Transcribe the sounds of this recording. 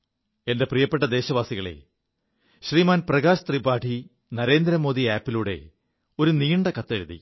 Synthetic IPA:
e̞nde̞prijɐpːeʈ̬ːɐd̪e̞ːɕɐʋaːsiɣɐɭe̞̰ | ɕriːmaːnprɐɣaːɕɐt̪ribaːʈʰi | nɐɾe̞ːnd̪ɾɐmo̞ːd̪iaːpːiluːɽe̞̰ | o̞ɾuniːɳɖɐkɐt̪ːeɻuðḭ

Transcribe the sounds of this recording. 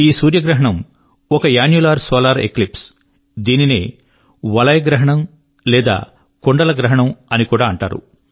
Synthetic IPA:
iːsuːɾjɐɡɾɐɦɐɳɐm | ɔkɐjaːnjulaːɾsɔːlaːɾḛklips | d̪iːnineː | ʋɐlɐjɐɡɾɐɦɐɳɐm | lɛːd̪a̰ː | koɳɖɐlɐɡɾɐɦɐɳɐmɐnikuːɽaːɐɳʈa̰ːɾṵ

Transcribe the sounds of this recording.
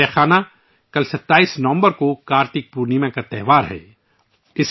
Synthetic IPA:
ɛːxaːna | kɐlsɐt̪ːaːiːsnɐʋə̃mbəɾkokaːɾt̪ɪk̚puːɾnimẽkat̪ɛːʋaːɾɦɛ̰ː | ɪs

